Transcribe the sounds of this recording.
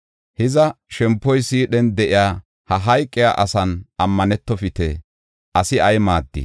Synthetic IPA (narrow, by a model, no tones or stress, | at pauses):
hɪzɐʃɛmpːɔjsiːɗɛnd̪ɛʔɪjaː | hɐɦɐjkʼːɪjaːʔɐsɐnɐmːɐnɛt̪ːɔfɪt̪ɛ | ʔɐsɪɐjmaːd̪ːɪ̰